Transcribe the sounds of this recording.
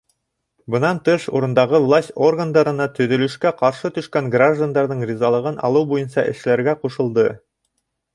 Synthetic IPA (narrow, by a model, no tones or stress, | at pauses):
bɤ̆nɑnt̪ɤʃṵɾɤ̆nd̪ɑʁɤvlˠasʲtʲorɡand̪ɑɾɤ̆nɑt̪ɵ̆ðɵ̆lɵ̆ʃkæqɑɾʃɤt̪ɵ̆ʃkæŋɡraʒd̪and̪ɑɾðɤɴrʲizɑlˠɤ̆ʁɤnʔɑ̰lˠɤwbujɤnsɑ̰ʔɘ̆ʃlæɾɡæquʃɤ̆lˠd̪ɤ